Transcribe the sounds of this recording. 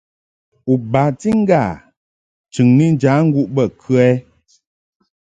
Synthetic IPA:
u˨ba˨ti˦ŋ̩˦ɡa˦˨ | t͡ʃʉ˨ŋni˦n˦d͡ʒa˨˦ŋ̩˦ɡu˦ʔbə˦˨kʰʉ˦ɛ˦

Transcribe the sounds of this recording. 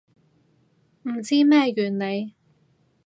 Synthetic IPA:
m̩˨˩t͡siː˥mɛː˥jyː˨˩nne˨˧j

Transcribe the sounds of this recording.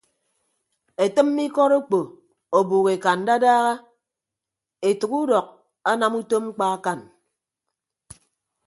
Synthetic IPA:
e˨tɨ˦m̩ː˦i˦kɔ˦ɾo˦k͡po˨ | o˨buː˨ɣe˨ka˨n̩˨˦da˦daː˦ɣa˦ | e˨tu˨ku˦dɔ˨k̚ | a˦na˨mu˦to˦mŋ͡m̩˦k͡pa˦a˦ka˨n

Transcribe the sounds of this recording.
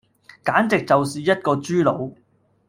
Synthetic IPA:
kaː˨˥nt͡sɪ˨k̚t͡sɐ˨wsiː˨jɐ˥t̚kɔː˧t͡ʃyː˥lo˨˧w

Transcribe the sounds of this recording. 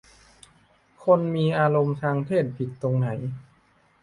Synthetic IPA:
kʰo˧nmiː˧ʔaː˧ɾo˧mt̪ʰaː˧ŋt̪ʰeː˥˩t̪̚pʰi˨˩t̪ːo˧ŋna˩˦j

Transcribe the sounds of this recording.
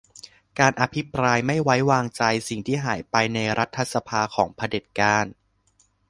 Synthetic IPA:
kaː˧nʔa˧pʰi˦˥pɾaː˧jma˥˩jwa˦˥jwaː˧ŋt͡ɕa˧jsi˨˩ŋt̪ʰiː˥˩ɦaː˩˦jpa˧jna˧jɾʔa˦˥t̪ʰːa˧sa˧pʰaː˧kʰɔː˩˦ŋpʰa˧de˨˩t̪̚kaː˧˥˩n

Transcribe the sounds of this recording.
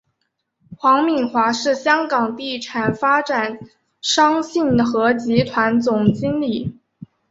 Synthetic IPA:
xwɑ˧˥ŋmi˨˩nxwa˧˥ʂɻ̩˥˩ɕjɑ˥ŋkɑ˨˩ŋt̪i˥˩ʈ͡ʂʰa˨˩nfa˥ʈ͡ʂa˨˩n | ʂɑ˥ŋɕi˥˩nxɤ˧˥t͡ɕi˧˥t̪ʰwa˧˥nt͡sʊ˨˩ŋt͡ɕi˥nli˨˩˦

